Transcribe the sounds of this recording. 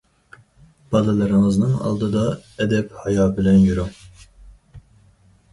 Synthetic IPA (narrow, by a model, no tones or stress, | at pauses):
b̥ɑlˠɨlˠɨɾɨŋɨznɨŋɑ̰lˠd̪ɨd̪ɑɛd̪ɛphɑjɑːbɪlɛnjyɾuŋ